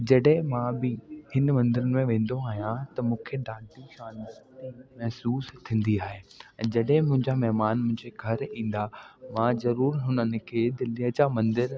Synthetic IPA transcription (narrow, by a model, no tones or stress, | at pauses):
d͡ʑɐɗɦɪ̃mãbɪhɪnmɐ̃nd̪ɪɾənɪ̆mẽʋẽːn̆d̪oaːɦijãt̪ɐmũːkʰeɖãːʈiʃaːnəɾt̪imɐɦsuːst̪ʰĩːn̆d̪iaːɦẽːd͡ʑɐɗɦɪ̃mʊ̃ɦɪ̃ɲd͡ʑamɛɦmaːnmʊ̃ɦɪ̃ɲd͡ʑeɡʱɐɾĩːn̆d̪aʋãzɐɾuːɾɦʊnənɪ̆kʰeːd̪ɪliəd͡ʑamɐ̃nd̪ɪɾ